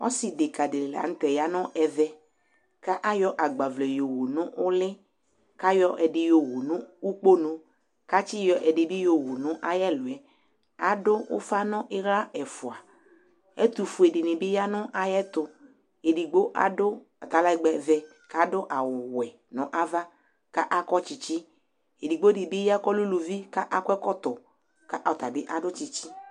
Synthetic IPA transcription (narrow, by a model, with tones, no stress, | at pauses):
ɔ̰˦si˨de˨ka˨de˨le˨la̰˨ŋ̩˦t̪ɛ˨ja˦nɔ̃˦ʔɛ˨vɛ˦ | ka˦ʔa˦jɔ˦ʔa˨ɡ͡ba˨vlɛ˨jo˨wo˨nʊ̃˦ʔʊ˦lɪ˦ | ka˦jɔ˦ʔɛ˨ɖɪ˨jo˨wo˨nʊ̃˦u˦k͡po˦nũ˦ | ka˦t͡ʃi˦jɔ˦ʔɛ˨ɖɪ˨bɪ˦jo˨wo˨nʊ̃˦ʔa˦jɛ˦lʊ˨ɛ˨ | a˨dʊ˦wʊ̰˦fa˦nɔ̃˦ʔɪ˦ɾa˦ɛ˨fʊ˨a˨ | ɛ˦t̪u˨fu˨e˨de˨nĩ˨bi˦ja˦nɔ̃˦ʔa˧jɛ˦t̪ʊ˧ | e˨di˨ɡ͡bo˦ʔa̰˦dʊ˦ | a˨t̪a˨˦la˦i˧˦ɡ͡bɛ˧vɛ˧ | ka˦dʊ˦ʔa˨wʊ˨wɛ˨ | nɔ̃˨˦ʔa˦va˦ | ka˦ʔa˦kɔ˦t͡ʃi˧t͡ʃi˦ | e˨di˨ɡ͡bo˦di˨bi˦ja˦kɔ˦lu˦lu˧vi˦ka˦ʔa˦kʷɛ˦kɔ˦t̪ɔ˨ | ka˦ʔa˨t̪a˨bi˦ʔa˨dʊ˦t͡ʃi˧t͡ʃi˦